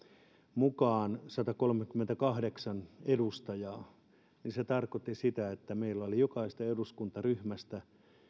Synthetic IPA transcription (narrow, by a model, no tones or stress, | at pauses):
mukɑːnsɑt̪ɑkolmekymːent̪ækɑhdeksɑnedust̪ɑjɑː | ninset̪ɑrkot̪ːisit̪æet̪ːæmeilːæolijokɑist̪ɑeduskunt̪ɑryhmæst̪æ